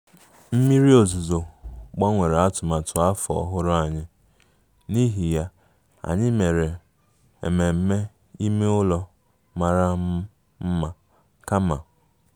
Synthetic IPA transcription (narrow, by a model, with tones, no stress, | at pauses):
m̩˦mi˦ɾi˦o˨zu˨zo˨ɡ͡ba˦ŋʷe˨ɾe˨a˦tʊ˨ma˨tʊ˨a˦fɔ̰˨ɦʊ˦ɾʊ˦a˨ɲɪ˦ | ni˦ɦi˨ja˦ | a̰˨ɲɪ˦me˨ɾe˨ | ḛ˨me˨m̩˦me˦ | i˦me˦ʊ˦lɔ˦ | ma˨ɾa˦ | m̩˦ma˨ | ka˦ma̰˨